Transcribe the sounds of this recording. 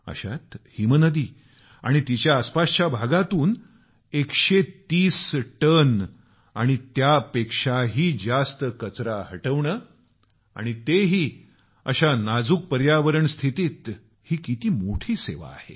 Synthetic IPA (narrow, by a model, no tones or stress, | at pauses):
ə̰ɕa̰t̪himənəd̪iː | a̰ɽ̃it̪it͡ɕjaːspast͡ɕjabʱaɡat̪uːn | ekʂet̪iːsʈən | a̰ɽ̃it̪japekʂaɦiːd͡zast̪əkət͡sɾahəʈəʋɳəː | a̰ɽ̃it̪eɦiː | ə̰ɕanad͡zuːk̚pəɾjaʋəɾəɳst̪ʰit̪iːt̪ | hiːkit̪iːmoʈʰiːseʋa̰ːhḛ